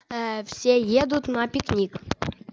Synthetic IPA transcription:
fsʲejed̪ut̪nɑpʲiknʲik

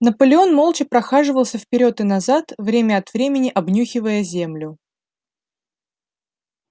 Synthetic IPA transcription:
nəpəlʲɪo̞nmo̞lˠt͡ɕɪpɾɐxaʐɨvəlˠsʲəfpʲɪɾʲo̞t̪ɨnɐzat̪vɾʲemʲəɐt̪vɾʲemʲɪnʲɪʔɐbnʲuxʲɪvəjəzʲemlʲʊ

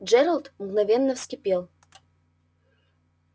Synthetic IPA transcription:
d͡ʒɛɾəlˠt̪mɡnɐvʲɛnːəfskʲɪpʲelˠ

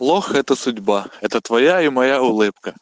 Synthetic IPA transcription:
lˠɔxɛt̪ɐsʊdʲbaɛt̪ət̪ʋɐjaimɐjaʊlˠɪpkɐ

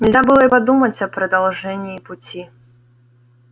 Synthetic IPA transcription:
nʲilʲzʲabɨlˠɐipad̪umɐt͡sʲɐpɾɐd̪alˠʐɛnʲiːput͡sʲi

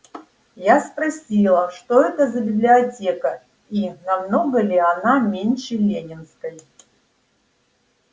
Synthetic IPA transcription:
jaspɾɐsʲilˠəʂt̪oɛt̪əzəbʲɪblʲiɐtʲekə | inɐmno̞ɡəlʲɪanamʲenʲʃɪlʲenʲɪnskəj

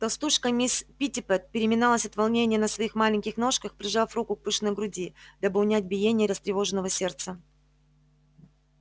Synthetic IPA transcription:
t̪ɐlˠst̪uʂkəmʲispʲitʲɪpɛt̪̚pʲɪɾʲɪmʲɪnalˠəsʲɐt̪vɐlˠnʲenʲɪjənəsvɐixmalʲɪŋʲkʲɪxno̞ʂkəxpɾʲɪʐafɾukʊk̚pɨʂɨnəjɡɾʊdʲid̪̥abɨʊnʲæt̚ʲbʲɪjenʲɪjəɾʲəst̪ɾʲɪvo̞ʐɨnːəvəsʲe̞rt̪sə

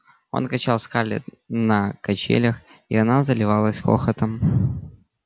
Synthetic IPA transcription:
o̞̰nkɐt͡ɕalˠskalʲɪ̰ | nəkɐt͡ɕḛlʲəx | ḭɐnazəlʲɪvalˠəsʲxo̰xət̪əm

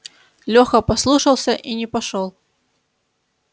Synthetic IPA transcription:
lʲɔxɐpaslˠuʂɐlˠsʲɐʔinʲɛpaʂɔlˠ

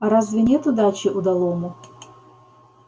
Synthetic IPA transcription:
ɐɾazvʲɪnʲɛt̪ud̪at͡ɕiʔud̪alˠɔmʊ

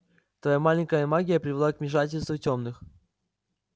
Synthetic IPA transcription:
t̪vɐjamalʲɪŋʲkəjəmaɡʲɪjəpɾʲɪvʲɪlˠakmʲɪʂ̬atʲɪlʲst̪vʊtʲomnɨx

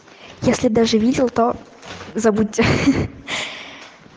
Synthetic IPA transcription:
jesʲlʲɪd̪aʐɨvʲidʲɪlˠt̪o | zɐbut̚ʲːɪ

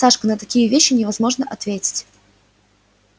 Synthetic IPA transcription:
aʂkənət̪ɐkʲijəvʲeɕːɪnʲɪvɐzmo̞ʐnəʔɐt̪vʲetʲɪ̥tʲ

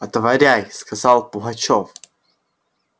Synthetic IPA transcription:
ɐt̪əvɐɾʲajskazɑlˠpʊɣɐt͡ɕof

